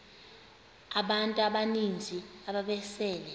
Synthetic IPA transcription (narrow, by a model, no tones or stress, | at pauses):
aɓantʼuaɓanind͡zʱiaɓaɓɛsɛːlɛ